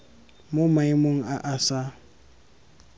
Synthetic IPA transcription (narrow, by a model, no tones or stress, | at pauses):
mʊmaɪmoŋ̩aʔasa